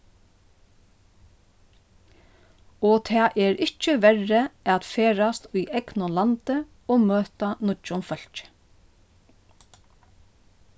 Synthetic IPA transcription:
ɔːt̪ʰɑːʔɛːɹɪt͡ʃːəʋɛɹəʔɛt̪feːɹast̪ʊjʔɛknʊlant̪ə | ɔːmøːt̪anʊt͡ʃːʊnfœl̥t͡ʃ

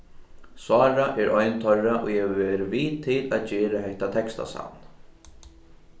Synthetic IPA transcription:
swaːɾaʔɛɾʔɔjnt̪ʰœraʔɔjɛvɛːɾɪviːt̪ʰɪlaðd͡ʒeːɾahɛht̪at̪ʰɛkst̪a̰sa̰wn

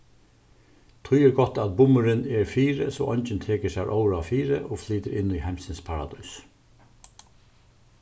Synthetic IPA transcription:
t̪ʰʊjɛɾɡɔt̪ːæt̪̚bʊmʏɾɪnɛɹfiːɾɪsɔ̰ʔɔɲt͡ʃɪnt̪ʰeːkəsæɹʔowɾaʋfiːɾə̰ʔofliːt̪əɾɪnːʏjhamsɪnspʰaɾa̰d̪uːs

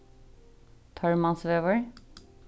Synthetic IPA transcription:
t̪ʰɑɹmɑnsʋeːʋəɹ

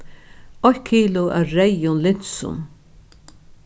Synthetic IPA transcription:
ɔhkʰiːlʊʔa̰ɾɛjʊnlɪn̥sʊ̰n

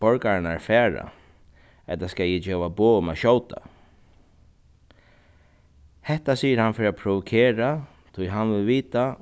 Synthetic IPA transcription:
bɔɹkaɹɪnaɹfɛːɹa̰ | ɛt̪askajɛd͡ʒeːʋaboːmaʃɔwt̪ʰa̰ | hɛht̪asiːjəɾhanfɪɾapʰɾʊʋʊkʰeːɾa | t̪ʰʊjɦanʋɪlʋiːt̪a

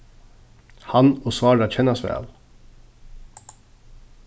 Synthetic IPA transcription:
hɑnoːsʋɑːɹɑc͡çʰɛnɑsʋæ̰ːl

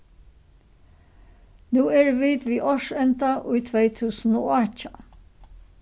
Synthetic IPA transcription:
nuːeːɹʋiːd̪ʋiːʔɔʃɛnt̪ɑʔʉit̪ʰʋeɪt̪ʰʉːsn̩o̰ːɑc͡çɑ

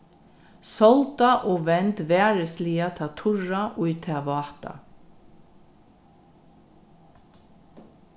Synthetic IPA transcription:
sɔlt̪aʔoːʋɛnt̪ʋæːɹəsliːat̪ʰɑːt̪ʰʊɹaʔʊʏt̪ʰɛːʋɑːt̪a̰

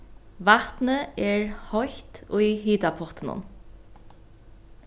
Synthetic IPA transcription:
ʋat̪nəɛɹhɔçt̪ʊjɦiːt̪apʰɔt̪ənʊ̰n

